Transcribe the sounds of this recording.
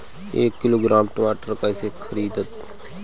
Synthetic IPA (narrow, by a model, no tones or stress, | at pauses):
eːkːɪloːɡɾaːmʈəmaːʈəɾkaːɪsekʰəɾiːd̪ət̪